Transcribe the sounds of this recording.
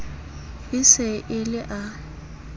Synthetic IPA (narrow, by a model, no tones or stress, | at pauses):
ɪsɪʔɪlɪʔa